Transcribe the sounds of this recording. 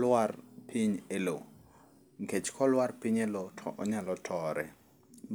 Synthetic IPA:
lwarpʰiɲelo | ŋket͡ʃkʰɔlwarpiɲelotʰɔɔɲalɔtʰɔɾɛ̰

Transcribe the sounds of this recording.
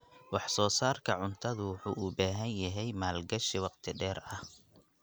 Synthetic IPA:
wɑħsɔːsaːrkʰɐʕʊnt̪ʰɐðʊwʊħuːʔubaːɦɐnjɐɦɛjmaːlɡɐʃiwɑqt̪ʰɪɖɛːrɐh

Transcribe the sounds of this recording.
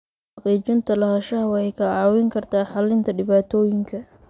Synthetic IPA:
ħɑqiːt͡ʃɪnt̪ʰɐlɐhɐʃɐɦɐwɑħɛjkʰɐʕɑːwɪŋkʰɐrt̪ʰaːħɑlɪnt̪ʰɐɖɪβaːt̪ʰɔːjɪŋkʰɐ

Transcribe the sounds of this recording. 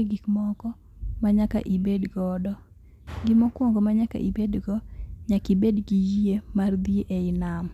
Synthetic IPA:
iɡikmɔkɔ | maɲaka̰ʔibedɡɔdɔ | ɡɪmɔkwɔŋɡɔmaɲaka̰ʔibedɡɔɲakɪbedɡijiemard̪jeʔeɪnam

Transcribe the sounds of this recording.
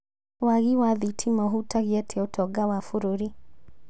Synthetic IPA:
waɣiwaðitʰimɔɦutaɣiɛtʰeotʰɔɡawafuɾoɾi

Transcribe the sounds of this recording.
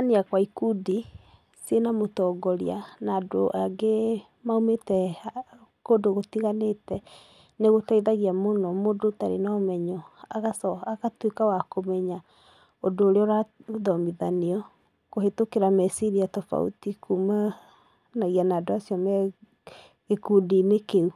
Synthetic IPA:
aniakwaikudi | senamotɔɡɔɾianaːdo̰ʔaɡe | maumetɛ | kodoɣotiɣanetɛ | neɣotaiðaɣiamonɔmoːdotaɾḛnaːmɛɲɔaɣasɔakatwekawakomɛɲa | odoːɾeɔɾaðɔmiðaniɔ | kohetokeɾamɛsiɾiatɔfa̰ṵtikuma | naɣianaːdoasiɔmɛ | ɣekuːdinekeu

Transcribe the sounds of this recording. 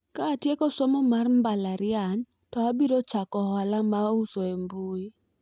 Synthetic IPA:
kaːtjekɔsɔmɔmarmbalaɾɪan | tɔabiɾot͡ʃakɔhɔlamausoembui

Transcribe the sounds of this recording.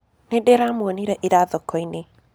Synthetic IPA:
nedeɾamwɔniɾɛʔeɾaðɔkɔine

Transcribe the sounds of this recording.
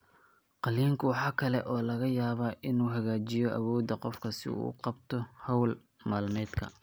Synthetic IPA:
qɑliːŋkʰʊwɑħɑːkʰɐlɛʔɔːlɐɣɐjaːβaːʔɪnuːɦɐɣaːt͡ʃɪjɔʔɐ̰wɔːd̪ɐqɔfkʰɐsɪ̰ṵːqɑb̚t̪ʰɔhɐwl | mɐːlnɛːd̪kʰɐ̰

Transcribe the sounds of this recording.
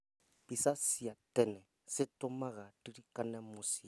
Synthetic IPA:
b̥isasiatʼɛnɛ | sɪtʼʊmaɣadiɾikʼanɛmʊsi

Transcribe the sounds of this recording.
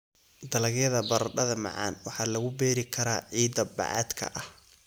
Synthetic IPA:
d̪ɐlɐɣjɐðɐbɐɾɖɐðɐmɑ̰ʕɑ̰ːnwɑħɑːlɐɣʊbɛːɾɪkʰɐɾaːʕiːd̪ɐbɑ̰ʕɑ̰ːd̪kʰɐ̰ʔɐh

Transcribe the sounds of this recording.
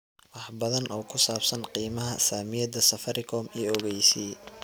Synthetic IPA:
wɑħbɐðɐnʔɔːkʰʊsaːbsɐnqiːmɐɦɐsaːmɪjɐd̪ɐsɐfɐɾɪkʰɔːmiːɔɣɛjsiː

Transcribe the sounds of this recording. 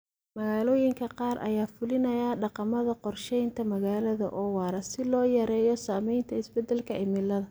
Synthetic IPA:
mɐɣaːlɔːjɪŋkʰɐqɑːrʔɐ̰jaːfʊlɪnɐjaɖɑqɑmɐðɐqɔrʃɛjnt̪ʰɐmɐɣaːlɐðɐ̰ʔɔːwɑːɾɐsɪlɔːjɐɾɛːjɔsaːmɛjnt̪ʰɐɪsbɛd̪ɛlkʰɐɪmɪlːɐðɐ

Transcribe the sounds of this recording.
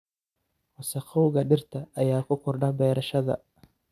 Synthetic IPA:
wɐsɐqɔwɣɐɖɪrt̪ʰɐʔːjaːkʰʊkʰɔrɖɐbɛːɾɐʃɐðɐ̰

